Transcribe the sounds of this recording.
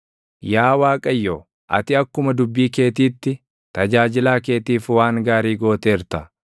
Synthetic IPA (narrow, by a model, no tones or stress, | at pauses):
jaːwaːkʼɐjːoː | ʔɐ̰t̪ɪɐkːʊmɐd̪ʊbːiːke̞ːt̪iːt̪ːɪ | t̪ɐd͡ʒaːd͡ʒɪlaːke̞ːt̪iːfwaːŋɡaːɾiːɡo̞ːt̪eːɪɾt̪ɐ